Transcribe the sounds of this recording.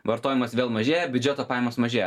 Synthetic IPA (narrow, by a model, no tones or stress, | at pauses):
ʋɐɾt̪oːjʲɪmɐsʋʲeːlˠmɐʒʲeːjɛbʲʊd͡ʒʲɛt̪oːpɑːjɛmoːsmɐʒʲeːjɛ